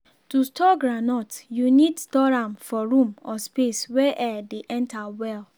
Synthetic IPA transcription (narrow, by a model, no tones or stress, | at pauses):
tustɔɡɹanɔtjunidstɔɹãmfɔɹũmɔspesweʔɛdeʔɛ̃ntawɛl